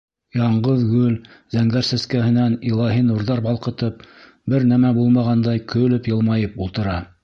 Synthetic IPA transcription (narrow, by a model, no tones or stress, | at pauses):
jɑɴɢɤðɡɵlzæŋɡæɾsɘ̆skæɦɘ̆nænilˠɑɦinuɾðɑɾbɑlˠqɤ̆t̪ɤp̚ | bɘɾnæmæbulˠmɑʁɑnd̪ɑjkʰɵ̆lɘpjɤ̆lˠmɑjɤpulˠt̪ɤ̆ɾɑ